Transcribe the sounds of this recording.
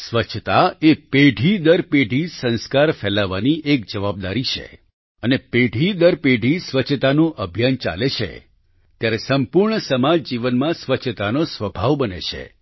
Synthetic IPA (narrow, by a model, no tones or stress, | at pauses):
sʋət͡ʃʰt̪aepeɖʱid̪əɾpeɖʱisə̃nskaɾfɛlaʋaniʔek̚d͡ʒəʋab̚d̪aɾit͡ʃʰḛ | ənepeɖʱid̪əɾpeɖʱisʋət͡ʃʰt̪anũʔəbʱjant͡ʃa̰let͡ʃʰḛ | t̪jaɾesəmpuɾɳəsəmad͡ʒd͡ʒiʋənmãsʋət͡ʃʰət̪anosʋəbʱaʋbənḛt͡ʃʰḛ